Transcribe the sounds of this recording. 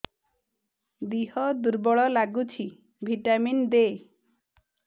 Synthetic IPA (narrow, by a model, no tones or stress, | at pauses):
d̪iɦɔd̪uɾbɔɭɔlaɡut͡ʃʰi | bʱiʈamind̪e